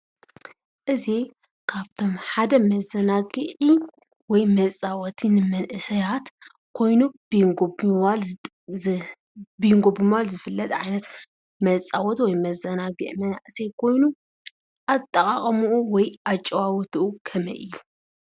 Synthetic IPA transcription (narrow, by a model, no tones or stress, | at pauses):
ʔɨzi | kʰaβt̪ʰo̞mħad̪ɐmɐzɐnaɡɨʕi | wɔjmɐt͡sʼawɔt̪ʰinɨmɐnʔɨsɐjat̪ | kʰo̞jnub̥ɡobwal | bɨjŋɡobɨmɨwalzɨfɨlːɐt̪ʼʕajnɐt̪ | mɐt͡sʼawɔt̪wɔjmɐzɐnaɡɨ̰ʕmɐnʔsɐjkʰo̞jnu | ʔat̪ʼːɐkʼaχʼɐmuuwɔjat͡ʃʼːɐwawɔt̪ʰuʔukʰɐmɐ̰ʔɨ̰jːu